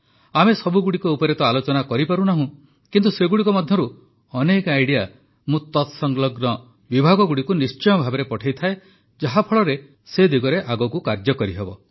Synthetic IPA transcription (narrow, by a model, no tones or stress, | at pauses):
amesɔbuɡuɽikɔupɔɾet̪ɔalot͡ʃɔnakɔɾipaɾunaɦũ | kint̪useɡuɽikɔmɔd̪ʱjɔɾu | ɔnekajɽija | mũt̪ɔt̪sɔŋlɔɡnɔ | bibʱaɡɔɡuɽikunist͡ʃɔjɔbʱabɔɾepɔʈʰajt̪ʰae | d͡ʒaɦapʰɔɭɔɾe | sed̪iɡɔɾeʔaɡɔkukaɾd͡ʒɔkɔɾiɦebɔ